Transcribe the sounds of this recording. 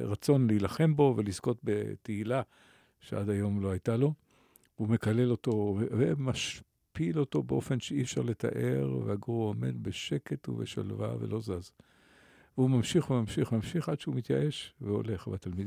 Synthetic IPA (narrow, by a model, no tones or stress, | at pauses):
ʁat͡so̞nleilaχe̞mbo̞velizko̞t̪beteila | ʃeʔad̪ajo̞mloajtalo̞ | veume̞kale̞lo̞to̞evemaʃ | pilo̞to̞beʔo̞fe̞nʃeifʃaʁle̞t̪a̰ʔe̞ʁvehaɡuome̞̰d̪beʃe̞ke̞tṵvḛʃa̰lva̰velo̞zaz | veumamʃiχvemamʃiχmamʃiχadʃeumit̪jaʔe̞ʃveo̞̰le̞χbat̪almid̪